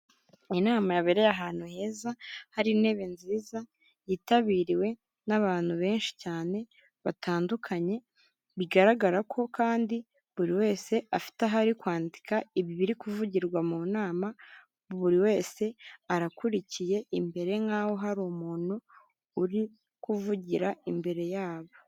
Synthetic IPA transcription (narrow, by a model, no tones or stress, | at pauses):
inaːmajaβeɾe̞jaɦaːn̥huhe̞ːzahaɾine̞βenziːza | jitaβiɾiwe̞ | naβaːn̥huβe̞ːnʃi̥caːne̞ | βatʰaːndukʰaɲe̞ | βiɡaɾaɡaɾakʰo̞kaːndi | βuɾiwe̞ːse̞afi̥taɦaɾikwaːndikʰaiβiβiɾikuvuɟiɾɡwamuːnaːma | βuɾiwe̞ːse̞aɾakuɾicije̞ʔimbe̞ɾe̞ŋɡaːwo̞ɦaɾuːmuːn̥uː | ɾi | kuvuɟiɾaimbe̞ɾe̞jaːβo̞